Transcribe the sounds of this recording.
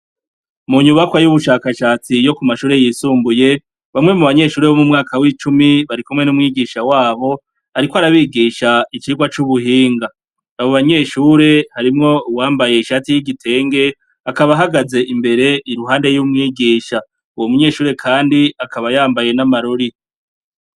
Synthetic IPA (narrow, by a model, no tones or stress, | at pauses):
muɲuβakwajuβuʃaːkaʃaːt͡sijo̞kumaʃuːɾe̞jiːsuːmbuje̞ | βamŋe̞muβaɲe̞ʃuːɾe̞βo̞mumŋaːkawit͡ʃumiβaɾikumŋe̞numŋiːɡiʃawaːβo̞ | haɾikoaɾaβiːɡiːʃait͡ʃiɡwat͡ʃuβuɦiːŋɡaː | βoβaɲe̞ʃuːɾe̞haɾimŋo̞uwaːmbaje̞iʃatijiɡitʰe̞ːŋɡe̞ | akaβaɦaɡaze̞ʔimbe̞ɾe̞iɾuɦaːnde̞jumŋiːɡiːʃa | uwomuɲe̞ːʃuːɾe̞kʰaːndiakʰaβajaːmbaje̞namaɾoɾi